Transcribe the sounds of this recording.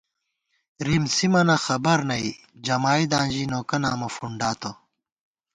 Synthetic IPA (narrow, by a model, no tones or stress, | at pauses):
ɾimsimɐnɐxɐbɐɾnɐi | d͡ʑɐmaːid̪ãːnd͡ʑinoːkɐnaːmɐfuɳɖaːt̪o